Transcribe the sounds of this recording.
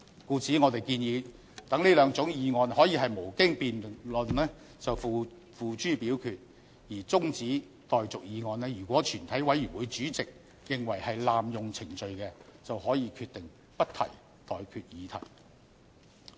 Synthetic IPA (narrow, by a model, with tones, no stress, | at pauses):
kuː˧t͡siː˨˥ŋɔː˨˧t̪e˨˩jkiː˧njiː˨˧ | t̪ɐ˨˥ŋliː˥lœː˨˧ŋt͡sʊ˨˥ŋjiː˨˧ŋɔː˧nhɔː˨˥jiː˧ɦɐ˨jmo˨˩wkɪ˥ŋpiː˨nlɵ˨nlɛː˥ | t͡sɐ˨wfu˨˧ | fuː˨t͡ʃyː˥piː˨˥wkʰyː˧t̚ | jiː˨˩t͡sʊ˥ŋt͡siː˨˥ | t̪ɔː˨jt͡sʊ˨k̚jiː˨˧ŋɔː˨˧nlɛː˥jyː˨˩kwʷɔː˨˥t͡ʃʰyː˨˩nt̪ʰɐ˨˥jwɐ˨˥jy˨˩wuː˨˧jt͡ʃyː˨˥t͡sɪ˨k̚ | jɪ˨ŋwɐ˨˩jhɐ˨jlaː˨mjʊ˨ŋt͡sʰɪ˨˩ŋt͡ʃɵ˨˧ɥkɛː˧t͡sɐ˨whɔː˨˥jiː˨˧kʰyː˧t̪ːɪ˨ŋ | pɐ˥tt̪ʰɐ̰˨˩j | t̪ɔː˨jkʰyː˧t̚jiː˨˧t̪ʰɐ̰˨˩j